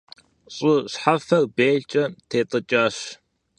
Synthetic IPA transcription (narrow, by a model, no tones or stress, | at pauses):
ɕʼʊɕħafɐrbeːt͡ʃʼɐtʰeːtʼɨt͡ʃʼaɕ